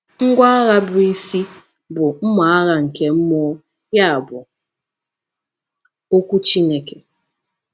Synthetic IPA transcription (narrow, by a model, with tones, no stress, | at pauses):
ŋ̩˦ɡʷa˦a˦ɣa˦bʊ˨i˦si˦ | bʊ˨m̩˦ma˨a˦ɣa˦ŋ̩˨ke˦m̩˦mɔ˦ | ja˦a˨bʊ˨ | o˦kʷu˦t͡ʃi˦ne˨ke˨